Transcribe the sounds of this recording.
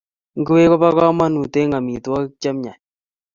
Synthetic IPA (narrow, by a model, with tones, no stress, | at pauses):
ŋɡɨ˦we˦kɔ˦pa˦ka˦ma˦nu˨te˦ŋa˨mi˨twa˦t͡ʃa˦mɲa˨ɲ